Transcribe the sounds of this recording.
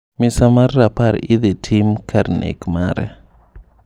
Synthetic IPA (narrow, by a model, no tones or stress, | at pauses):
misamarːapaɾɪðɛtʰimkʰaɾnḛkmaɾɛ̰